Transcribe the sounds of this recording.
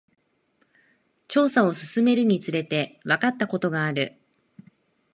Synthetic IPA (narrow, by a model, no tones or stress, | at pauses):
t͡ɕo̞ːsao̞sɨsɨme̞ɾɯ̟ɲ̟it͡sɨɾe̞t̪e̞βakat̪ːako̞t̪o̞ɡaːɾɯ̟